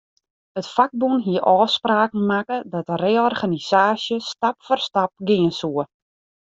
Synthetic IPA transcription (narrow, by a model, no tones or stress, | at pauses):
ətfak̚bunɦiəʔɔːspraːkn̩makədɔtəreːɔrχaniz̥aːsjəstapfɔrstap̚ɡɪənsuə